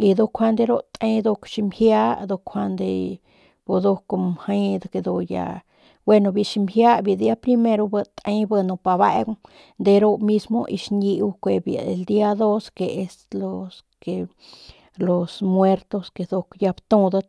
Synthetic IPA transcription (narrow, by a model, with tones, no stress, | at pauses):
i˧d̪o˧kʷʰa˧nd̪e˧ɾo˦t̪ẽ˧˦d̪o˧kʃi˧mhja˦d̪o˧kʷʰa˧nd̪ḛ˧ | b̥o˧d̪o˧ko˧mha˧˦jd̪a˧ke˧d̪o˧ja̰˧ | bwe˦˧no˧bi˧˨ʃi˧mhja˦bji˧˨d̪i˧a˦pɾi˧me˧ɾo˧bə˧t̪ẽ˧˦bə˧no˧pa˧βa˧˦ɡ | nd̪e˧ɾo˦˧mi˦smo̰˧ʔḭ˧ʃni˧wkʷe˧˨bja̰˨ḛ˨ld̪i˦a˧d̪o˦ske˨e˧slo˧s | ke˧ | lo˨smwe˦ɾt̪o˧ske˧˨d̪o˧kja˧bt̪ũ˧d̪a˧